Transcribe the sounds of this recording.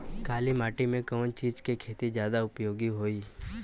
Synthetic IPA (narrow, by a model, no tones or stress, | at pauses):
kaːlimaːʈimẽkɔːnt͡ʃiːd͡ʒkekʰeːt̪izjaːd̪aʊpjoːɡiɦoːiː